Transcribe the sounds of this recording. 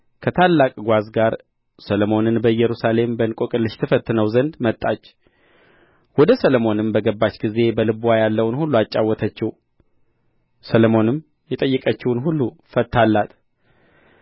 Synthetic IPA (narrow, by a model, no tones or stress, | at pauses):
kʰət̪ʰalːakʼɡʷazɡaɾ | səlomo̞nɨnbəjɛɾusale̞mbənkʼokʼɨlːɨʃt̪ʰɨfət̪ːɨnəwzənd̪mət̪ʼːat͡ʃː | wɔd̪əsəlomo̞nɨmbəɡəbːat͡ʃːɡize̞bəlɨbuwajalːəwnhulːuat͡ʃʼːawːɔt̪ʰət͡ʃːɪw | səlomo̞nɨm | jɛt̪ʼəjːɨkʼət͡ʃːɪwnɦulːufət̪ːalːat̪